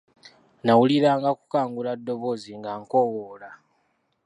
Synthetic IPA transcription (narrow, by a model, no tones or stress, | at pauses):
nawuliɾaːŋɡaku̥kaːŋɡuladːo̞βo̞ziŋɡaŋkowola